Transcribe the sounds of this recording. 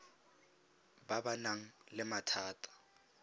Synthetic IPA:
babanaŋ̩lɪmatʰaːtʰʼḁ

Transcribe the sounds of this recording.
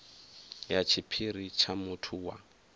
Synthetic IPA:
jat͡ʃʰɪpʰirit͡ʃʰamʊtʰuwa

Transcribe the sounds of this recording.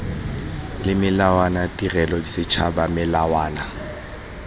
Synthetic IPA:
lɪmɪlawanatʼirɛlɔdisɪt͡ʃʰabamɪlawaːna

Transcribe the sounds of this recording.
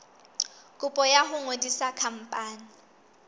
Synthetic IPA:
kʼʊpʼɔjaɦʊŋwedisakʰam̩pʼaːni

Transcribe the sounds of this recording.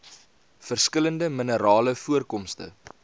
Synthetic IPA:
fərskələndəmənəɾɑːləfuərkɔmstə̰

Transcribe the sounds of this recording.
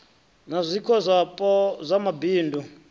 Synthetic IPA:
nazʷikʰɔzʷapʼɔzʷamabiːndu

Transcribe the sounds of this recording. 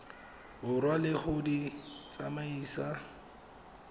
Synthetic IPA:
bʊrwalɪχʊdit͡samaiːsa

